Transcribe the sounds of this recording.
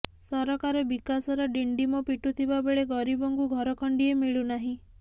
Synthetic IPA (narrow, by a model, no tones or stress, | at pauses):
sɔɾɔkaɾɔbikasɔɾɔɖiɳɖimɔpiʈut̪ʰibabeɭeɡɔɾibɔŋkuɡʱɔɾɔkʰɔɳɖiemiɭunaɦĩ